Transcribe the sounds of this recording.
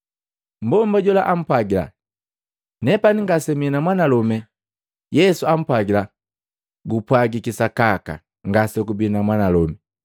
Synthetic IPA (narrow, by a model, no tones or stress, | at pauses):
m̩bɔmbaɟɔlaʔam̩pwaɡila̰ | nɛpaniŋɡasɛmiɛnamwanalɔmɛ | jɛsuam̩pwaɡila | ɡupwaɡikisakaka̰ | ŋɡasɔɡubinamwanalɔmɛ